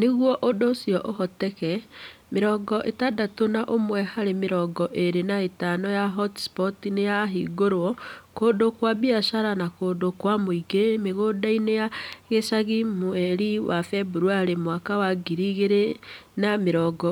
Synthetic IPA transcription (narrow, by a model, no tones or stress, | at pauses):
neɣwɔʔodosiɔʔoɦɔtɛkɛmeɾɔɡɔʔetadatonaʔomwɛhaɾemeɾɔɡɔʔeɾenaetanɔjaɦɔtspɔtinejaɦiɡoɾwɔkoːdokwabiaʃaɾanakoːdokwamoiɡemeɣoːdainejaɣesaɣimoɛɾiwafɛbuɾuaɾemwakawaɡiɾiɣeɾenameɾɔːɡɔ